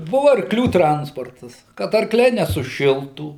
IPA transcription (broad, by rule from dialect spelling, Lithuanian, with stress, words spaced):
ˈbʊʋʊ ɐrkˈlʲuː ˈtrɐnspoːrtɐs kɐt ɐrˈklʲɛɪ nʲɛsʊˈʃʲɪlˠtuː